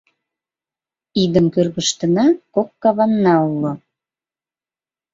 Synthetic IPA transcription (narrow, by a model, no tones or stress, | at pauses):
id̪əmkørɣəʃt̪ə̆nɑkokːɑβɑnːɑulo